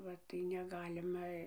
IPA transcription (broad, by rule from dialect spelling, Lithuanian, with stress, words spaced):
ˈʋɐ tɐɪ nʲɛˈɡɑːlʲɪmɐ